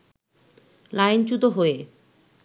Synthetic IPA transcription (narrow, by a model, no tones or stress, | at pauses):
lajnt͡ɕut̪oɦoe